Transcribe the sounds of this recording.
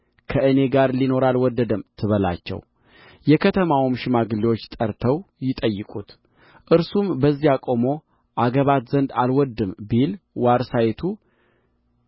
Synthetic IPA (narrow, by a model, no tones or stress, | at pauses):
kʰəʔɨne̞ɡaɾlino̞ɾalwɔd̪ːəd̪əmt̪ʰɨβəla̰t͡ʃːɛ̰w | jɛkʰət̪ʰəmawmʃɪmaɡɨliwot͡ʃːt̪ʼəɾt̪ʰəwjɪt̪ʼəjːɨkʼut̪ | ʔɨɾsumbəzːijakʼo̞mo̞ | ʔaɡəβat̪zənd̪alwɔd̪ːɨmbilwaɾsajet̪ʰu